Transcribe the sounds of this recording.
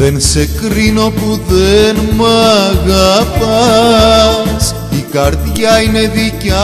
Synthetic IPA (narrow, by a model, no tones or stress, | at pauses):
ensekɾinopuðenmaɣapa | s | ikaɾðiajneðica